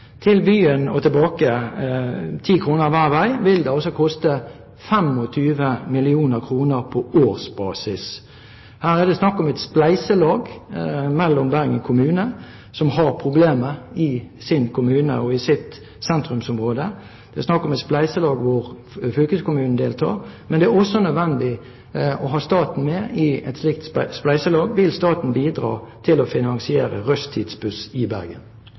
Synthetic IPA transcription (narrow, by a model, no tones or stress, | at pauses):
t̪ʰɪlbyːənɔt̪ʰəlbɑːkə | t̪ʰiːkʰʁuːnəʁʋæːʁʋæɪʋɪld̪ɛɔsɔkʰɔst̪ə | fɛmɔt̪ʰyːʋəmɪlɪuːnəʁkʰʁuːnəʁpʰɔoːʁsb̥ɑ̰ːsɪs | hæːʁɛd̪ɛsnɑkːɔmɛt̪splæɪsəlɑːɡmɛlːɔmbæʁɡəŋkʰʊmʉːnə | sɔmhɑʁpʰɾʊbleːməɪsɪnkʰʊmʉːnə̰ɔɪsɪt̪ | sɛnt̪ɾʉmsɔmʁoːd̪ə | d̪̥ɛæsnɑkːɔmɛt̪splæɪsəlɑːɡʋʊʁ | fʏlkəskʊmʉːn̩d̪eːlt̪ʰɑ̰ːʁmɛnd̪ɛæʁɔsɔnœd̪ʋɛnd̪ɪ | ɔɦɑːst̪ɑːt̪n̩mɛɪɛt̪slɪk̚t̪splæɪsəlɑːɡʋɪlst̪ɑːt̪n̩biːd̪ɾɑ̰ːt̪ʰɪlɔfɪnɑnsɪeːɾə̰ʁœst̪ʰːiːd̪sbʉsɪbæɾɡə̰n